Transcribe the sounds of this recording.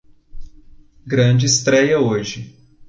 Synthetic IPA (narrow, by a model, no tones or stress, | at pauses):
ɡɾɐ̃d͡ʒɪːst̪ɾɛjɐoʒɪ